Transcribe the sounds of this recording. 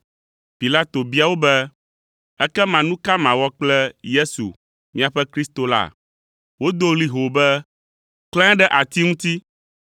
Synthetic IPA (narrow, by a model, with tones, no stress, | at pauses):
pi˨la˦t̪o˨bi˦a˨wo˦bɛ˦ | ɛ˦kɛ˦mã˨nũ˦ka˦mã˨wɔ˦k͡plɛ˦je˦sṵ˨ | mĩ˦a˨ɸɛ˦kɾi˦st̪o˨la̰˦ | wo˦d̪o˦li˦ɦo˨bɛ˦ | klɛ̃˦ɛ̃˦ɖɛ˦ʔa˨t̪i˦ŋũ˦t̪i˦